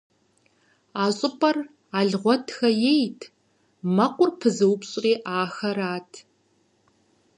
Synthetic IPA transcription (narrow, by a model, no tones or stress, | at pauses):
aːɕʼɪpʼɐr | aːɮʁʷɔtʰxɐjejtʰ | mɐqʷʊrpʰɨzɨwpɕʼriːʔaːxɐɾaːtʰ